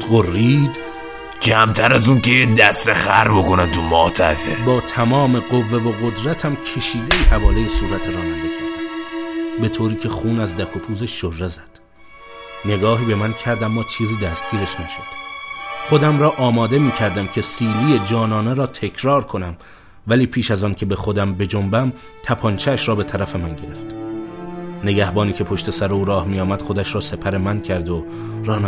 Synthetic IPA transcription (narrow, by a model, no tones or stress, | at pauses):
ɢorːiːd̪ | d͡ʒæmt̪ʰæɾæzunkejed̪æst̪eχæɾbokonæmt̪ʰumɒ̰ːt̪ʰæfḛbɒːt̪ʰæmɒːme̞ɢovːe̞voɣod̪ɾæt̪ʰæmcʰe̞ʃiːd̪eiːhævɒːlejesuːɾæt̪ʰeɾɒːmænd̪eʃe | be̞t̪ʰoːɾiːcʰe̞xuːnæzd̪ækʰopʰuːzeʃːorːezæd̪̥ | ne̞ɡɒːɦiːbe̞mæncʰæɾd̪æmːɒːt͡ʃʰiːziːd̪æst̪ɟ̥iːɾe̞ʃnæʃod̪̥χo̞d̪æmɾɒːʔɒːmɒːd̪e̞miːcʰæɾd̪æmcʰe̞siːliːjed͡ʒɒːnɒːne̞ɾɒːt̪ʰe̞kʰɾɒːɾkʰo̞næm | væliːpʰiːʃæzɒːncʲʰe̞be̞xo̞d̪æmbe̞d͡ʒombæm | t̪ʰæpʰɒːnt͡ʃʰeːʃɾɒːbe̞t̪ʰæɾæfe̞mænɟe̞ɾe̞ft̪ | ne̞ɡæhbɒːniːcʰe̞pʰo̞ʃt̪e̞sæɾeuːɾɒːhmijɒːmæd̪̥χo̞d̪æʃɾɒːse̞pʰæɾe̞mæncʰæɾd̪o | ɾɒːn